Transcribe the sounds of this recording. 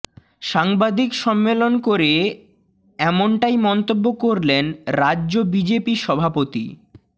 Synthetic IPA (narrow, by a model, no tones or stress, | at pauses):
ʃaŋbad̪ʱikʃɔmːelonkoɾe | ɛmoɳʈajmɔnt̪obːokoɾlenɾaːʑobid͡ʑepiʃɔbʱapot̪ḭ